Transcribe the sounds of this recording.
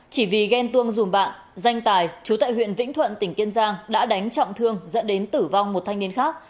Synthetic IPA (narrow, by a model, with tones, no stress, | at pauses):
t͡ɕi˧˩vi˨˩ɣɛ˧nt̪ɨ˧əŋzu˨˩mɓa̰ː˧˨n | za˧jŋ̟t̪aː˨˩jt͡ɕu˨˦t̪a̰ː˧˨jhwḭ˧˨ənvḭ̈˧˥ŋ̟t̪ʰwə̰˧˨nt̪ï˧˩ŋ̟ki˧ənzaː˧ŋɗa̰ː˧˥ɗa˨˦jŋ̟t͡ɕɔ̰˧˨wŋ͡mt̪ʰɨ˧əŋzə̰˧˥nɗe˨˦nt̪ɨ˧˩va˧wŋ͡mmo˨˩t̚t̪ʰa˧jŋ̟ni˧ənxaː˦˥k̚